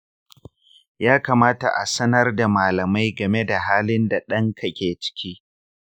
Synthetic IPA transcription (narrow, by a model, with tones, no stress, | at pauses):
jaː˦kaː˨maː˦ta̰˨ʔa̰˨sɐ˦nɐ˦rda˨maː˨lɐ˨ma˦jɡɐ˨me˦da˨ɦaː˦lɪ˦nda˨ɗɐ˦ŋkʰɐ˦kʲeː˨t͡ʃɪ̥˦kʲiː˦